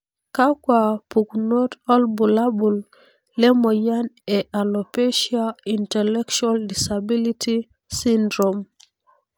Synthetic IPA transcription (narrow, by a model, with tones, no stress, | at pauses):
ka˦kwa˨pu˨kno˦tɔ˦lbu˨la˦bu˨l | lɛ˦mɔ˨ja˦nɛ˨ʔa˨lo˨pe˦ʃia˦i˨ntɛ˨lɛ˦kt͡ʃualdi˨sa˨bi˦li˦ti˦ | si˦ndɾo˨m